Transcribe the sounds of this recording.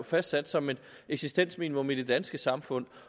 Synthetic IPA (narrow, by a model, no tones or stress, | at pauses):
fæsd̥sæd̥sɒ̽me̝d̥ | eɡ̥sisd̥en̰smiːnimɔ̽mid̥e̝d̥ænsɡ̥əsɑ̈mfɔ̽n̰